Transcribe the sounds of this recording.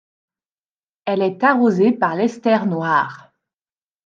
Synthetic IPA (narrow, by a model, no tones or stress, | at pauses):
ɛlɛt̪aʁozepaʁlɛst̪ɛʁnwaːʁ